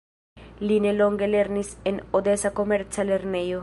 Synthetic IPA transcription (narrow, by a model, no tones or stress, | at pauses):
lineloŋɡeleɾnisenod̪esakomeɾt͡saleɾnejo